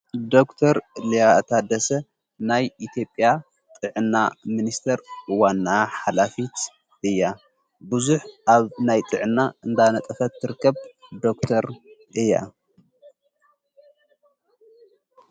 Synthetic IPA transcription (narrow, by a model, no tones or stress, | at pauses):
d̪o̞kt̪ʰɐɾlijat̪ʰad̪ɐsɐ | najit̪ʰjo̞pʼːja | t̪ʼɨʕɨnːaminist̪ʰɐɾwanːaħalafit̪ | ʔɨjːa | bɨzuħaβnajt̪ʼɨʕɨnːaɨnd̪anɐt̪ʼɐfɐt̪ːɨɾɨkːɐβd̪o̞kt̪ʰɐɾ | ɨjːa̰